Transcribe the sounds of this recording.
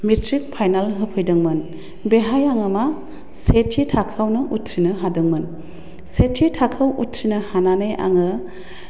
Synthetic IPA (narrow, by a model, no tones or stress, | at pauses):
mitʰɾik̚pʰajnalɦɯpʰɯjdɯŋmɯn | beɦajaŋɯma | setʰitʰakʰawnɯʔutʰɾinɯɦadɯŋmɯn | setʰitʰakʰawutʰɾinɯhananɯjʔa̰ŋɯ